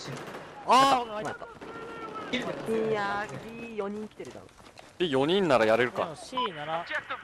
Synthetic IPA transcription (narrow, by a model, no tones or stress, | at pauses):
amat̪ːa | ijakʲijo̞ɲ̟ĩŋkʲi̥t̪eɾet̪a̰no̰ | d̪̥ejo̞ɲ̟ĩnːaɾajaɾe̞ɾɯ̟ka̰inaɾ